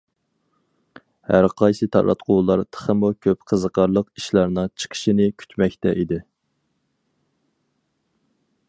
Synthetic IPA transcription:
hæɾqʰɑjsɨt̪ʰɑ̰ɾɑ̰t̪qʰʊwlˠɑɾt̪ʰə̥χəmukʲʰøpqʰəzəqʰɑɾlˠəqiʃlɑɾnɨŋt͡ʃʰə̥qʰə̥ʃinɪkʲʰy̥t̪ʰmɛkʲt̪ɛʔid̪ɪ

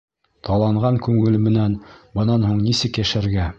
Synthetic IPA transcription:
t̪ʰɑlˠɑɴʁɑŋkʉŋɘlmɘ̆nænbɤ̆nɑnhuɴnisɘkjæʃæɾɡæ

